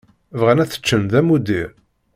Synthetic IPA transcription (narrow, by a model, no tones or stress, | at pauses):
vʁænæθə̥t͡ʃːənðæmud̪i